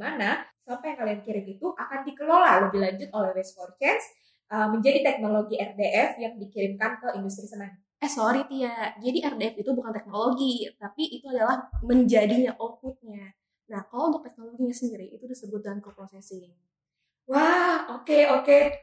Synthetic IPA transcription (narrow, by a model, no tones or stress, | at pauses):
manasampajaŋkaliankiɾɪmit̪uʔakandikəlolaləbiɦlaɲd͡ʒʊt̪̚olɛhɾɛskort͡ʃɛns | ʔəməɲd͡ʒadit̪ɛk̚noloɡiɛrdeʔɛfjaŋdikiɾɪmkankəindus̬t̪ɾisənan | ɛhsoɾit̪iad͡ʒadiɛrdeɛfit̪ubukant̪ɛk̚noloɡit̪apiʔːt̪uadalahməɲd͡ʒadiɲaʔok̚ut̪̚ɲa | nahkalount̪ʊk̚t̪ɛk̚noloɡiɲasəndiɾiʔit̪udisəbʊt̪̚dankəpɾosɛsɪ | wahokeoke